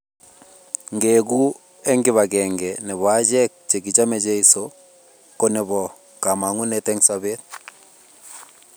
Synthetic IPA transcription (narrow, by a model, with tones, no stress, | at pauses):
ŋɡe˨ɡu˦ | ɛ˦ŋɡɪ˦βaɡɛŋɡɛ˨nɛ˨βwa˦d͡ʒɛ˦k̚t͡ʃe˨ɡɪ˨t͡ʃa˦mɛ˨d͡ʒe˦i˦so | ko˦nɛ˨βɔ˨ | ka˨ma˨ŋu˦nɛtɛ˦ŋsaβe˦t̚